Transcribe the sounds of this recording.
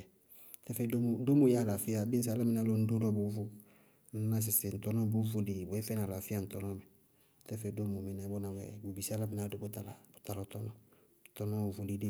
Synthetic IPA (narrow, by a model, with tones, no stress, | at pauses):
tɛ˦fɛ˨do˦m˨do˦mu˨ja˦˨la˨fi˦a˨bi˦n˦s̬a˦la˦mɪ˦na˦lo˦n̩˦du˦dɔ˦bu˨˦vu˦ | n̩˦na˦s̬ɪ˨sɪ˨n̩˨tɔ˦nɔ˦bu˦vu˦di˨bɛ˨˦fɛ˦na˨la˨fi˦a˨n̩˨tɔ˨nɔ˦mɛ˨ | tɛ˦fɛ˨do˦mu˨mi˨na˨˦bɔ˦na˨wɛ̰˨bu˨bi˨sa˦la˦mi˦na˨do˨˦bu˦ta˨la˨bu˨ta˨lɔ˨tɔ˦nɔ˦˨ | tɔ˦nɔ˦˨vu˨di˦di˦